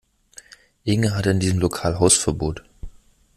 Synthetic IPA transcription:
ʔɪŋəɦatəɪndiːzəmlokʰaːlɦaʊsfɛɐboːt

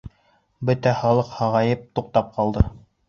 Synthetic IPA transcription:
bɵt̪æχɑlˠɤqhɑʁɑjɤp̚t̪uq̚t̪ɑp̚qʰɑlˠd̪ɤ

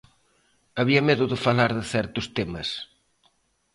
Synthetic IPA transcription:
ɐβiɐmeðʊðɪfalaɾðɪθɛɾt̪ʊst̪emɐ̰s

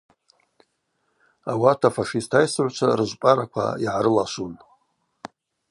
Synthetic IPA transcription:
awatʰafaʂistʰajsɨʕʷt͡ʃʷʰarɨʒʷpʼaɾakʷʰa̰iʕaɾɨlaʃʷun

